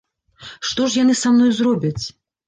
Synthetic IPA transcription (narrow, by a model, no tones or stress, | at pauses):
ʂt̪ɔʂjan̪ɨsamnɔjzɾɔbʲɐt͡sʲ